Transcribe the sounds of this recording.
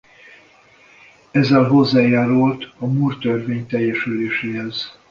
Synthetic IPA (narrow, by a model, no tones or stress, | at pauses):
ɛzːɛlɦo̞zːaːjaːɾult̪ɒmuːrt̪ørveːɲt̪ɛjːɛʃyleːʃeːɦɛz